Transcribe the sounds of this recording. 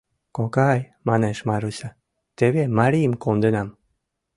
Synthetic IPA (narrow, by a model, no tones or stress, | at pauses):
kokaj | maneʃmaɾusa | t̪eβemaɾimkond̪enam